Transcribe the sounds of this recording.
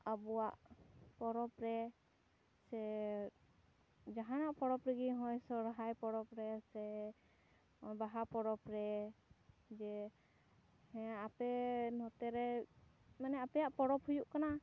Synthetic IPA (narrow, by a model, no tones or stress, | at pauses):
abɔwaʔpɔɾɔpɾɛ | sɛ | d͡ʒaɦanaʔpɔɽɔpɾɛɡiɦɔjsɔɾɦajpɔɾɔpɾɛsɛ | ɔjbaɦapɔɾɔpɾɛ | d͡ʒɛ | hɛjaʔapɛnɔt̪ɛɾɛ | manɛapɛjaʔpɔɾɔphujuʔkana